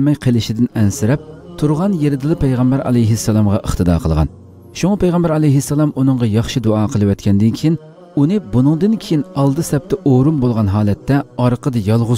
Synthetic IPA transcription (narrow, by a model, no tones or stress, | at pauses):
mɛjqʰelɪʃɪd̪ɪnɛnsɪɾɛp̚t̪ʰuɾʁɑnjeɾɪd̪ɨlˠɨpʰæjʁɛmbæɾʔɑ̰lɛjɦɪsːɛlˠɑmʁɑʔəχt̪ʰɨd̪ɑ̰ːqʰəlˠʁɑ̰n | ʃuŋɑpejʁɛmbæɾɑlɛjɦɪsːɑlˠɑmunɨŋʁɑjɑχʃid̪oɑːqʰəlˠɨwɛt̪kʲʰɛnd̪ɪnkʲʰijin | unɨbunɨŋd̪ɨnkʲʰejinɑlˠd̪ɨsɛp̚t̪ɛʔoɾumbolˠʁɑnɦɑːlɛt̪ʰːɛɑɾqʰəd̪ɨjɑlˠʁʊ